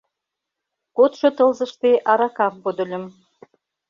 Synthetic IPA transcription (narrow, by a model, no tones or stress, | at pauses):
kot̪ʃɤ̆t̪ɤ̆lzɤ̆ʃt̪eʔɑɾɑkɑppod̪ə̆lʲə̆m